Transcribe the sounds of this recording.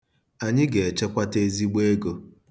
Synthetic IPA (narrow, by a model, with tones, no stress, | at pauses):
a˨ɲɪ˦ɡe˨e˨t͡ʃe˦kʷa˦te˦zi˦ɡ͡be˦e˦ɡo˨